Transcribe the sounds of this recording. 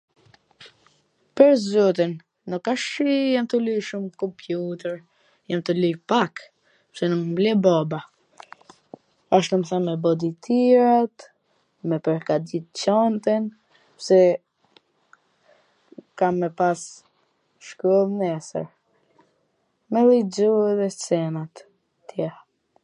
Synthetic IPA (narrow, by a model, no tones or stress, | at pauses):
pəɾzɔt̪̬inː | ukaʃijamt̪əlujʃumkɔmpʰjut̪ɛɾ | jamt̪əlujpak | psɛnukmblɛbɔba | aʃ̬t̪umθanmɛbɔd̪it̪ʰiɾat̪ | mɛpɛɾkad̪it̪t͡ɕɔnt̪ɛn | psɛ | kamːɛpas | ʃkɾɔlˠnɛsə̰ɾ | mɛlid͡ʒuɛðɛt͡sɛnat̪ | t̪jɛ